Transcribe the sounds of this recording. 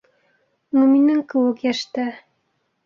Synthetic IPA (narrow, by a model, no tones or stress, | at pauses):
numinɘŋkɘ̆wɘkjæʃt̪ɘ